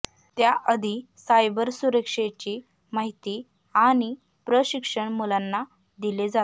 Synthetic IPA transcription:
t̪jaʔəd̪ʱi | sajbəɾsuɾəkʂet͡ɕiː | maɦit̪iː | aɽ̃i | pɾəɕikʂəɳmulanːa | d̪iled͡zat̪

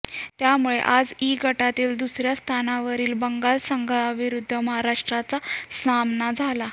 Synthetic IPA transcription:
t̪jamuɭḛʔad͡ziɡʱəʈat̪iːld̪usɾjast̪ʰanaʋəɾiːlbəŋɡalsəŋɡʱaʋiɾud̪ʱːəməɦaɾaʂʈɾat͡sasamnad͡zʱala

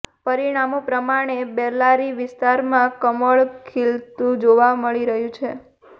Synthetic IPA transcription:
pəɾiɽ̃amõpɾəmaɽ̃ebɛɾlaɾiʋɪst̪aɾmãkəməɭkʰilt̪ũd͡ʒoʋaməɭiɾəɦjũt͡ʃʰe

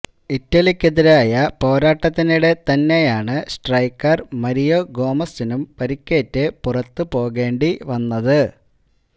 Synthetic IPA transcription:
itːɐlikʲːeðiɾaːjɐpo̞ːɾaːʈːɐt̪ːiniɽe̞t̪ɐnːe̞jaːɳɨsʈrɐjkːɐrmɐɾijo̞ɡo̞ːmɐsinumpɐɾikʲːe̞ːtːɨpurɐt̪ːɨpo̞ːɣe̞ːɳɖiʋɐnːɐðɨ

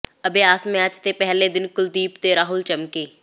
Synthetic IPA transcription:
əbeːaːsmẽəd͡ʒt̪epɛɦled̪ɪnkʊld̪iːpt̪eɾaːɦʊlt͡ʃəmkeː

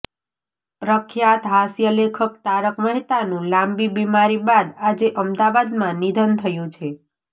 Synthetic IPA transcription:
pɾəkʰjat̪ɦasjəlekʰək̚t̪aɾəkməɦit̪anũlambibimaɾibad̪ad͡ʒeʔəmd̪aʋad̪mãnid̪ʱənt̪ʰəjũt͡ʃʰe

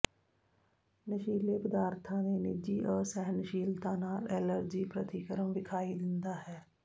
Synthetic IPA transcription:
nəʃiːleːpəd̪aːɾt̪ʰãːd̪eːnɪd͡ʒiːʔɔːɾsɛɦnəʃiːlt̪aːnaːlɛːləɾd͡ʒiːpɾət̪iːkəɾəmʋɪkʰaːid̪ɪ̃nd̪aːɦɛː

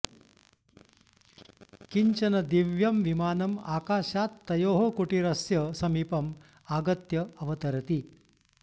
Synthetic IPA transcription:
kiɲt͡ʃɐnɐd̪iʋjɐmʋimaːnɐmaːkaːʃaːt̪ːɐjoːɦɐkuʈiɾɐsjɐsɐmiːpɐm | aːɡɐt̪jɐɐʋɐt̪ɐɾɐt̪i

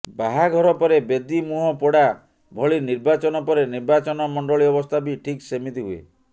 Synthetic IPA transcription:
baɦaɡʱɔɾɔpɔɾebed̪imuɦɔpɔɽa | bʱɔɭiniɾbat͡ʃɔnɔpɔɾeniɾbat͡ʃɔnɔmɔɳɖɔɭiɔbɔst̪ʰabiʈʰiksemit̪iɦuḛ

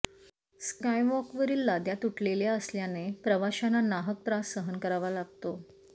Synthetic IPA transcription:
skajʋɔkʋəɾiːlːad̪jat̪uʈʰleljaəsljanepɾəʋaɕananaɦək̚t̪ɾasːəɦənkəɾaʋalaɡt̪o

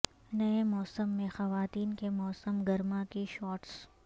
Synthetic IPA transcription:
nɐemɔːsəmːẽxɐʋaːt̪iːnkemɔːsəmɡɐɾmãkeʃɔːʈs

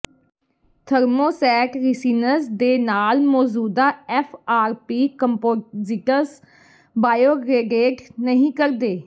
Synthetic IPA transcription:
t̪ʰəɾmoːsɛːʈɾɪsiːnəsd̪eːnaːlmɔːd͡ʒuːd̪aːɛfʰaːɾpiːkəmpoːziʈəɾs | baːjoːɡɾeɡeːʈnəɦĩːkəɾd̪eː

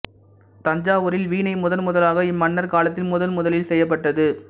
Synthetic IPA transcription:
t̪ɐɲd͡ʒaːʋʊɾɪlʋiːnɐɪmʊðɐlmʊðɐlaːɣɐɪmːɐnːɐɾkaːlɐt̪̬ːɪlmʊðɐlmʊðɐlɪlsɛjːɐp̬ːɐʈːɐðɯ

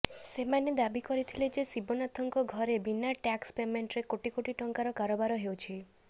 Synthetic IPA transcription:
semaned̪abikɔɾit̪ʰiled͡ʒesibɔnat̪ʰɔŋkɔɡʱɔɾebinːaʈakspemeɳʈɾekoʈikoʈiʈɔŋkaɾɔkaɾobaɾɔɦewt͡ʃʰi

